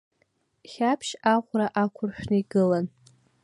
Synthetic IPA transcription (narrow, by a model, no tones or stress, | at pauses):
χʲapʰʃaʁʷraʔakʷʰʊrʃᶣnɨiɡɨlan